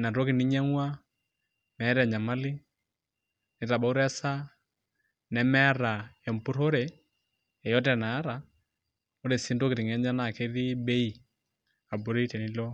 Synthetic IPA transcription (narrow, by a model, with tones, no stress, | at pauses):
na˨to˦ki˨ni˦ɲɛ˦ŋwa˦ | mɛ˨˦ɾɛ˨ɲa˨ma˦lɪ˦ | nɛ˨ta˨ba˨˦u˦ɾɛ˦sa˦ | nɛ˨mɛ˦ɾa˨ɛ˨mpu˦ɾo˦ɾe˨ | ɛ˨jɔ˦t̬ɛ˨na˨˦ɾa˨ | o˦ɾe˨si˦ndo˦kɪ˨ɾi˨ŋɛ˨˦ɲa˦na˨ke˦ði˦be˦i˨ | a˨bo˨ɾe˦tɛ˨ni˨˦lo˦